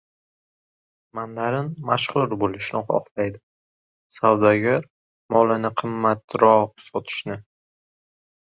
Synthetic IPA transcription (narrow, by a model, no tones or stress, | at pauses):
mand̪aɾɪnmaʃχʊɾbolɪʃnɪχɒ̰qlajd̪ɪ | sawd̪aɡʲaɾ | mɒlˠanɪqʰɨmːat̪ɾɒqsɒt̪ʰɪ̥ʃnɪ